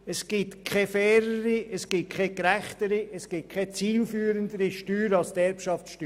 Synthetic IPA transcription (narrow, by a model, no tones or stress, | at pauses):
ɛsɡ̥ɪtkʰɛfɛːɾəɾiəsɡ̥ɪt̚kʰɛkɾæχtəɾiɛsɡ̥ɪt̚kʰɛt͡siːlfyːɾənd̪əɾiʃtyːɾɑlstɛɾpʃɑftʃty